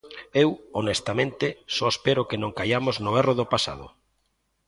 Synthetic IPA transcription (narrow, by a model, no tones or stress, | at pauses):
ewonest̪amẽnt̪ɪsɔespeɾʊkenõŋkajamoznʊɛroðopasa̰ðʊ̰